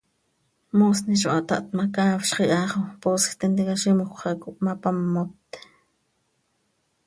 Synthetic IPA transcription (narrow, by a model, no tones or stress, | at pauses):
moːsniʃo̰ʔat̪aʔt̪makaːfʃχiʔɑχoposkt̪ent̪ikaʃimoχʷχakuʔmapamːot̪ːe̥